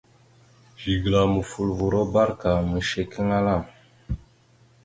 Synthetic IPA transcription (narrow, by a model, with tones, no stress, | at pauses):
ʒi˨ɡla˨mə˨fu˨lvu˨ɾo˦ba˦ɾka˨mə˨ʃe˨kə˦ŋa˦la˦˨m